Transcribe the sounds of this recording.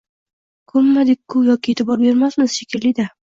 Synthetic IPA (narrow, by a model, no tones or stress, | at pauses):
kʰʊmːad̪ɪk̚ʲʰːʊjɒkʲʰɪet̪ʰɪbɒɾbe̞ɾmasmɪz̥ʃekʲʰɪlɪd̪a